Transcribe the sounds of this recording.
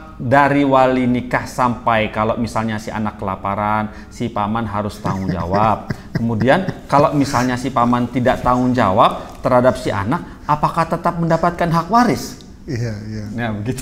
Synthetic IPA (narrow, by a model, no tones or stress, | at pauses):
daɾiwalinikahsampajkalomisalɲasiʔa̰nakːəlapaɾan | sipamanɦaɾʊst̪a̰ŋʊŋd͡ʒa̰wap̚kəmudiankalamisalɲasipamant̪idaʔt̪aŋʊŋd͡ʒa̰wap̚t̪əɾhadap̚siʔa̰nak̚ | apakaht̪ət̪ap̚məndapat̪̚kanɦak̚waɾɪs | ajajabəɡit̪